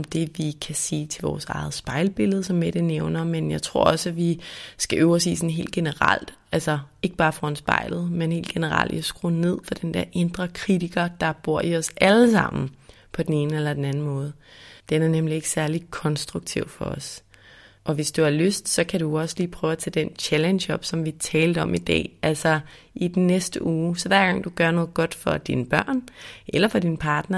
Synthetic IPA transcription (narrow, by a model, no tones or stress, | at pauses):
md̥e̝ʋikʰæseːt͡sʰe̝lʋɒ̰ːsɑ̈ɪð̩ˠsb̥ɑ̈ɪlb̥e̝ləðˠsɒ̽mːed̥eneʊnɐmenjɑ̈ɪt͡sʰʁɔ̝ɐ̰ɒ̽sæʋisɡ̥æʔøʊisʋḭːsnɦe̝̰ːld̥̚ɡ̥e̝nəʁɑ̰l̰d̥ | ælsɐe̝ɡ̥əb̥ɑ̈ːfɒnsb̥ɑ̈ɪ̰lð̩ˠmenhe̝̰ːld̥ɡ̥e̝nəʁɑ̰l̰d̥iɒsɡ̥ʁune̝ð̞̰ˠfɒd̥end̥eɐʔe̝nd̥ʁɐkʰʁidiɡ̥ɐd̥ɑ̈b̥o̝ɐ̰iɒ̽sʔæləsɑ̈m̰n̩ | pʰɒ̽d̥ene̝ːnəelɐd̥enæn̩mɔ̽ːð̞̩ˠd̥enæɐnemlie̝ɡ̥ə̥sæɐlikʰɒ̽nsd̥ʁuɡ̥̚t͡sʰiʊ̰fɒ̽ɒs | ʔɒ̽ʋe̝sd̥uɑløsd̥sɒ̽kʰæɾuɒ̽səliːpʰʁœːʊæt͡sʰɛd̥ent͡ɕʰælenɕɒ̽b̥sɒ̽mʋit͡sʰɛːld̥əɒ̽mʔid̥ɛ̰ːælsɐ | ʔid̥nnesd̥əʔuːsɒ̽ʋæɐ̰ɡ̥ɑ̈ŋ̰d̥uɡ̥ɶɐnɔ̽ːð̩ˠɡ̥ɒ̽d̥fɒ̽d̥inəb̥ɶɐ̰nʔelɐfɒ̽d̥inpʰɑ̈ːd̥nɐ